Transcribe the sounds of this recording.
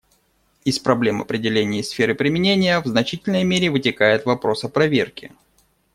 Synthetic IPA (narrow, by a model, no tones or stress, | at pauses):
ɪspɾɐblʲe̞mɐ̰pɾʲɪdʲɪlʲenʲɪjɪsfʲeɾɨpɾʲɪmʲɪnʲenʲɪjəvznɐt͡ɕitʲɪlʲnəjmʲeɾʲɪvɨtʲɪkajɪt̪vɐpɾo̞səpɾɐvʲerkʲɪ